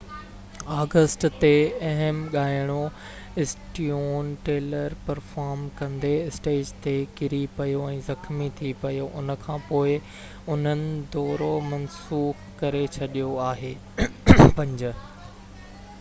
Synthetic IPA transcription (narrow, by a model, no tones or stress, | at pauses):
aːɡəsʈt̪eɐɦəmɠaːɪɽ̃o | ɪsʈioːnʈeːləɾpɐɾfaːɾmkɐ̃nd̪eɪsʈeːd͡ʑt̪ekɪɾipɐjoɛ̃ːzɐxmit̪ʰipɐjoʔʊnə̆kʰãːpoːɪ | ʊn̤ənɪ̆d̪ɔːɾomɐnsuːx | kɐɾet͡ɕʰɐɗijoaːɦeː | pɐ̃ɲd͡ʑə